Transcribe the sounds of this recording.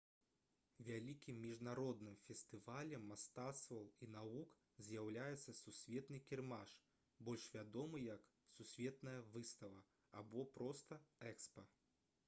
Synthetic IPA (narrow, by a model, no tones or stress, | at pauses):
vʲalʲikʲimːʲiʐnaɾɔd̪nɨmfʲɛst̪ɨvalʲɛmːast̪at̪st̪vɐwinavuk | zʲjawlʲajɛt̪sːɐsusʲvʲɛt̪nɨkʲɛrmaʂ | bɔlʲʂvʲad̪ɔmɨjɐk | susʲvʲɛt̪nɐjɐvɨst̪ɐvɐ | abɔpɾɔst̪ɐɛkspɐ